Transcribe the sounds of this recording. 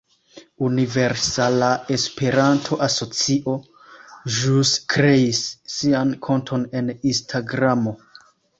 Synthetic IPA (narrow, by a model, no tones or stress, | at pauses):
unive̞ɾsalae̞spe̞ɾantʰo̞ʔaso̞t͡siʔo̞ | ʒuskɾe̞isːiankʰo̞ntʰo̞ne̞ninstʰaɡɾamo̞